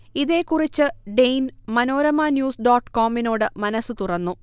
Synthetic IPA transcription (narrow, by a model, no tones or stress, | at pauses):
iðe̞ːkːurit͡ɕːɨɖejnmɐno̞ːɾɐmaːnjuːsɖoːʈːkoːmino̞ːɽɨmɐnɐsːɨt̪urɐnːu